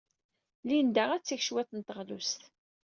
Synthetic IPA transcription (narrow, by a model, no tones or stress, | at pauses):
lind̪æʁæt͡sːiçʃwæθənt̪əʁlust̪